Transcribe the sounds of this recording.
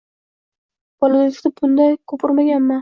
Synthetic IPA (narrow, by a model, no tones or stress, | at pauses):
bɒlalɪʃt̪ɪbʊnd̪ajkʰɵpʰɪɾmaɡʲanma